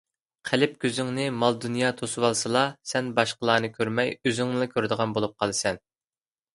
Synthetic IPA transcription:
qʰælɪp̚kʲʰøzyŋnɪmɑlˠd̪unjɑːt̪ʰosuwɑlˠsɨlˠɑsɛnbɑʃqəlˠɑːnɨkʲʰøɾmɛjøzyŋɨlˠɨkʲʰøɾd̪əʁɑnbolˠup̚qʰɑlˠɨsɛn

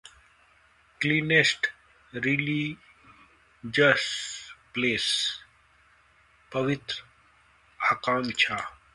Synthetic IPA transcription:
kliːnesʈ | ɾili | d͡ʒɐspleːs | pɐʋit̪ɾ | akaːmt͡ɕʰaː

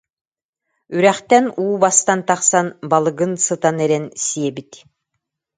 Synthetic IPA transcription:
yɾæχt̪ɛnuːbast̪ant̪aχsanbalˠɯɡɯnsɯt̪anɛɾɛnsiɛbit̪

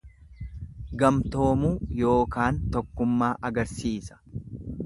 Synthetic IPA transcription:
ɡɐmt̪o̞ːmuːjo̞ːkaːnt̪ɔkːʊmːaːʔɐɡɐɾsiːsɐ̥

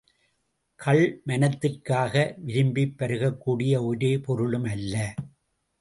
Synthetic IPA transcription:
kʰɐɭmɐnɐt̪ːɪrkaːɣɐʋɪɾɪmbɪpːɐɾɯɣɐkːuːɽɪjɐoɾeːpɔɾɯɭɯmɐlːɐ

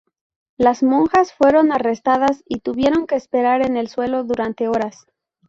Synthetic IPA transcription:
lazmõ̞ŋxasfwe̞ɾo̞narest̪aðasit̪uβje̞ɾo̞ŋke̞ːspe̞ɾaɾe̞ne̞lswe̞lo̞ðuɾant̪e̞o̞ɾas

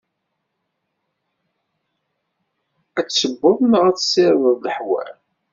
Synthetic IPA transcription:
æt͡sːəbːʊðˤnəʁæt͡ssɪɾðəðˤləħwæ̰l

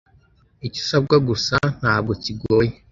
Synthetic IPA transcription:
ici̥sab̚ɡaɡusan̥haːb̚ɡociɡoːje

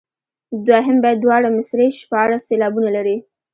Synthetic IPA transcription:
d̪waɦɪmbɑjad̪̚ːwɑɽamɪsɾeʃpəaɽaselɑbunalaɾi

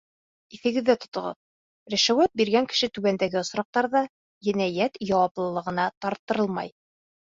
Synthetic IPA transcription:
iθɘ̆ɡɘ̆ðːæt̪ŏt̪ŏʁɤ̰ð | ɾæ̆ʃæwæt̪̚biɾɡæŋkɘ̥̆ʃɘt̪ʉβænd̪æɡɘŏsɾɑq̚t̪ɑɾðɑ | jɘ̆næjæt̪jɑwɑplˠɤ̆lˠɤ̆ʁɤ̆nɑt̪ɑɾt̪ːɤ̆ɾɤlˠmɑ̰j

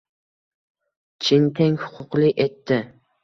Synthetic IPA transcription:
t͡ʃʰɪnt̪ʰeŋhʊ̥qʰʊqlɪet̪ːɪ

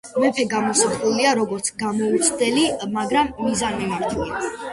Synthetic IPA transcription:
mɛpʰɛɡamɔsapʰɾuliaɾɔɡɔɾt̪sʰɡamɔut̪sʰd̪ɛlimaɡɾamːizanmimaɾt̪ʰuli

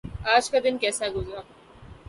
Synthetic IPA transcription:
aːd͡ʒkad̪ɪnkɛːsaɡʊzɾaː

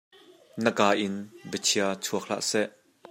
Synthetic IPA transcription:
nəkaːʔɪnbət͡sʰiɐt͡sʰuək̚la̰ːʔsɛʔ

